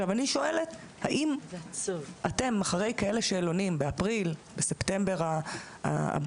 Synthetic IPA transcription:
avaniʃo̞e̞le̞t̪ | haʔim | ʔate̞maχaʁe̞jkae̞le̞ʃeːlo̞nimbeapʁilbese̞ptembe̞ʁa | a̰a̰b

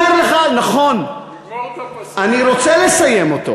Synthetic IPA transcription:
eleχanaχo̞n | aniʁo̞t͡selesaje̞mo̞t̪o̞̰

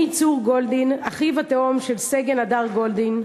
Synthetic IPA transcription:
it͡suʁɡold̪inaχivat̪eomʃe̞lseɡenad̪aʁɡo̞ld̪in

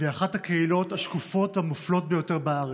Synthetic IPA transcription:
veaχathakeilo̞taʃkufo̞thamuflo̞t̚be̞jo̞te̞ʁbaaʁe

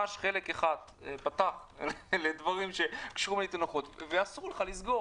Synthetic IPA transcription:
aʃχe̞le̞keχad̪ | pat̪aχleled̪vaʁimʃe̞kʃuʁumlet̪anoχo̞t̪veasuʁuleχalisɡo̞

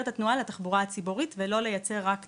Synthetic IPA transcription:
t̪at̪nualat̪aχbuʁaat͡siboʁit̪velo̞le̞jat͡se̞ʁːak

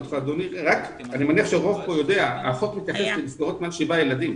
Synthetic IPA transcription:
t̪fad̪oniʁak | animaniaχʃeʁo̞vpojo̞deaa̰χotmit̪jaχeslemisɡaʁot̪mealʃibajelad̪im

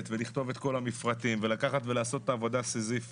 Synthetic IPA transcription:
t̪veliχt̪o̞vet̪ko̞lamifʁatimvelakaχat̪ve̞laːso̞t̚ːaːvo̞dasezif

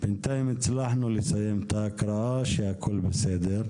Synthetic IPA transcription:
b̥ɪnt̪ajmɪslaħnulisajemt̪akɾˤɑaʃiakʰʊlːbɪseːd̪ɪɾ

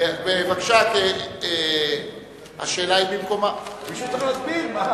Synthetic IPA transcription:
beevakʃat̪ee | ha̰ʃe̞ːlaibimko̞mamiʃumatbima

